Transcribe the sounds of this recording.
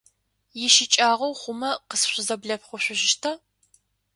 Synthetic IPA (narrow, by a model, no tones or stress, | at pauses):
jɪʃɪt͡ʃʼaːʁɐwχʷʊmɐqəsɕʷʊzɐbɮɐpχʷʊɕʷʊʒɪʃtʰa